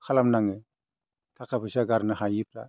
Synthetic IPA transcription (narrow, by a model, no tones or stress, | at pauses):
kʰalamnaŋɯ | tʰakʰapʰɯsaɡaɾnɯɦajɯpʰla̰